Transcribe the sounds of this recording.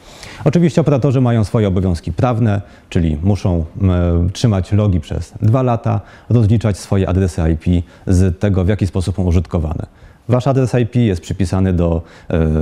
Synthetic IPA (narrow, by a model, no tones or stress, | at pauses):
ɔt͡ʂɘvʲiɕt͡ɕɛɔpɛɾat̪ɔʐɘmajɔ̃w̃sfɔjɛɔbɔvʲjɔ̃w̃skʲipɾavnɛ | t͡ʂɘlʲḭmuʂɔ̃w̃tʂɘmat͡ɕlɔɡʲipʂɛ̰z̥d̪valat̪a̰ | ɾɔzlʲit͡ʂat͡ɕsfɔjɛʔa̰d̪ɾɛsɘajpʲi | zt̪ɛɡɔvjakʲispɔsupsɔ̃w̃uʐɘt̪kɔva̰nɛ̰ | vaʂad̪ɾɛsajpʲijɛst̪pʂɘpʲisanɘd̪ɔ